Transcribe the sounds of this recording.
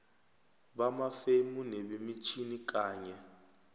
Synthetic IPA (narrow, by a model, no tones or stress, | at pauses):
βamafemuneβimit͡ʃʰinik̬aːɲɛ